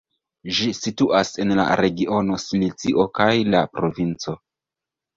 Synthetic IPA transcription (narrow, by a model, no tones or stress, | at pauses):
ʒisituʔase̞nla̰ɾe̞ɡio̞no̞slit͡siʔo̞kajlapɾo̞vint͡so̞